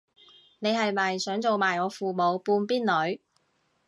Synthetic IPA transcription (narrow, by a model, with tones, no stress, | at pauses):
ne˨˧jhɐ˨jmɐ˨jsœː˨˥ŋt͡so˨wmaː˨˩jɔː˨˧˥fuː˨˩mo˨˧wpuː˧npiː˥nlɵ˨˥ɥ